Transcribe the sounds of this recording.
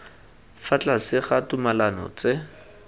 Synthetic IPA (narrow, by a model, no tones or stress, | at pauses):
fat͡ɬʼasɪχatumalanɔ̰t͡sɪ